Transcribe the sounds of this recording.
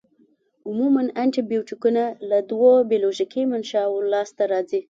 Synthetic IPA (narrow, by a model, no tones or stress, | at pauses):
ʊmumanaɳʈibiwʈikunalad̪wobiloʒikimanʃɑwolɑst̪aɾɑd͡zi